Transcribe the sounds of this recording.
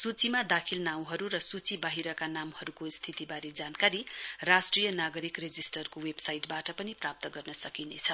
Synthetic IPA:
sut͡simad̪akʰilnaw̃ɦʌɾuɾʌsut͡sibaɦiɾʌkanamhʌɾukost̪ʰit̪ibaɾed͡zankaɾirasʈrijʌnaɡʌɾikred͡zisʈʌrkowebsajʈbaʈʌpʌniprap̚t̪ʌɡʌrnʌsʌkinet͡sʰʌ

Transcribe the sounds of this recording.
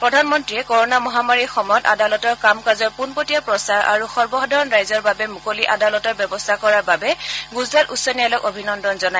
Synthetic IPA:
pɹɔdʱanmɔntɹiɛkɔɹɔnamɔɦamaɹixɔmɔjɔta̰dalɔtɔɹkamkazɔɹpunpotijapɹɔsaɹʔa̰ɹuxɔɹbɔɦɔdʱɔɹɔnɹajzɔɹbabɛmukoliʔadalɔtɔɹbjɛbɔstʰakɔɹaɹbabɛɡuzɹatusːɔnijalɔkobʱinɔndɔnzɔna

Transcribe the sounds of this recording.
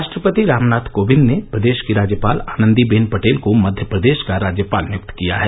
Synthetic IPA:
ʃʈɾəpət̪iɾaːmnaːt̪ʰkoːbɪ̃nd̪nepɾɐd̪eːʃkiɾaːd͡ʒjəpaːlaːnə̃nd̪ibeːnpɐʈeːlkomɐd̪ʱjəpɾəd̪eːʃkaɾaːd͡ʒjəpaːlnjʊk̚t̪kija̰ɦɛː

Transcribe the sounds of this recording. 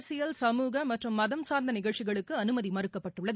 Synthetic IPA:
sɪjɐlsɐmuːɣɐmɐʈrɯmːɐðɐmsaːɾnd̪ɐnɪɣɐɭt͡ʃɪɣɐɭɯkːɯɐnɯmɐðimɐɾɯkːɐpːɐʈːɯɭːɐð

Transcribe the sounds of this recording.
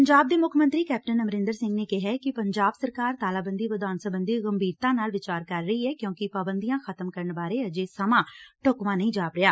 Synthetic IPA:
əɲd͡ʒaːb̚d̪eːmʊkʰmə̃nt̪ɾiːkɛːp̚ʈənəməɾɪ̃nd̪əɾsɪ̃ŋɡneːkɪɦɛːkɪpəɲd͡ʒaːbsəɾkaːɾt̪aːlaːbənd̪iːʋəd̪aːnsəbənd̪iːɣəmbʱiːɾt̪ãːnaːlʋɪt͡ʃaːɾkəɾːəiːɛːkjõːkɪpaːbənd̪ijãːxʰət̪əmkəɾəɳbaːɾeːəd͡ʒeːsəmãːʈokʋãːnəĩːd͡ʒaːpɾɪjaː

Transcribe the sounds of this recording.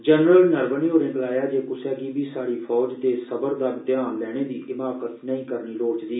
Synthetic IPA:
d͡ʒənɾəlnəɾbəniːɦoːɾẽːkəlaːjaːd͡ʒeːkʊsɛːɡiːbiːsaːɽiːpʰɔːd͡ʒd̪eːsəbəɾd̪aːd̪ɪjãːnlɛːɽ̃eːd̪iːʔɪmaːkət̪nəĩːkəɾniːɾoːt͡ʃd̪iː

